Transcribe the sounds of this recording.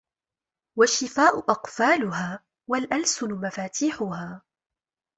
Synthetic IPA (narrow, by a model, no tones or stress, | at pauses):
waʃːɪfaːʔʊʔɑqfaːlʊhaː | walʔalsʊnʊmafaːt̪ʰiːħʊhaː